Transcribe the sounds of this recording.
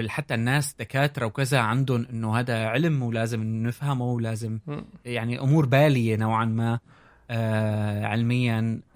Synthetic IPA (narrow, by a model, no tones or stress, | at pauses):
ħat̪ːanːaːsd̪̥akaːt̪ɾˤɑwkɪzaʕand̪ʊnʔɪnːohaːd̪aʕɪlmwlaːzɪmnɪfhamuwlaːzɪmjaʕniʔʊmuːɾbaːlɪjenawʕanma | ʕɪ̰lmɪjːan